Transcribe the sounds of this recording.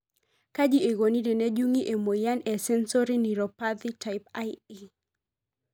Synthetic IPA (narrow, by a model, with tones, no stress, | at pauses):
ka˦d͡ʒi˦e˨ɡo˨ni˦ɾe˨nɛ˦d͡ʒu˦ŋi˦ʔe˨mo˨ja˦nɛ˨sɛ˦nsɔ˦ɾi˦ni˨ɾɔ˨pad̪i˦ta˨ɪpaɪi˦